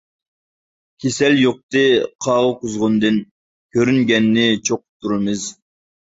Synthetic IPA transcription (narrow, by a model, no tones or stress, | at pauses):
kʲʰesɛljoq̚t̪ɨqʰɑːʁəqʊzʁʊnd̪ɨn | kʲʰøɾyŋɡʲɛnːɪt͡ʃʰoqʊ̥p̚t̪ʰːuɾɨmɨz